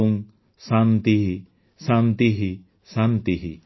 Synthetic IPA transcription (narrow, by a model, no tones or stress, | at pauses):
uŋ | sant̪iɦi | sant̪iɦi | sant̪iɦi